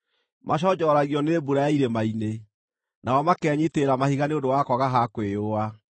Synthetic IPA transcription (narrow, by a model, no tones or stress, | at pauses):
mʔaɕ̬ɔd͡ʑɔɾaɣiɔnebuɾajaiɾemaine | naɔmakɛːɲiteɾamahiɣaneondowakɔɣaɦakwejoa